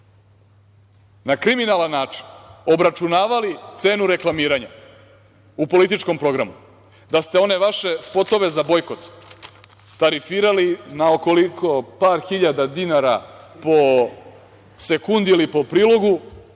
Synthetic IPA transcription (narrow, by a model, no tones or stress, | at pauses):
nakɾiminalanːaːt͡ʂi̥no̞bɾat͡ʃunaːʋalit̪se̞ːnuɾe̞klˠamiːɾaɲa̰ | upo̞lit̪it͡ʃko̞mpɾo̞ɡɾamu | d̪ast̪e̞o̞ne̞ʋaʃe̞spo̞t̪o̞ʋe̞zabo̞jko̞t̪ː | aɾifiːɾalinaokolikʰo̞paːɾxiʎad̪ad̪inaɾa | po̞ | se̞kund̪iilipo̞pɾiːlˠo̞ɡu